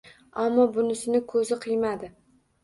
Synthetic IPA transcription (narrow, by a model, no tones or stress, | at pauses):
amːɒbʊnɪsɪnɪkʰɵzɪqʰɨjmad̪ɪ